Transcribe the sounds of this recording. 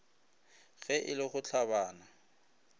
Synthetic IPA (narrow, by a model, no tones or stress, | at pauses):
ɣɛʔɪlɪχʊt͡ɬʰaβaːna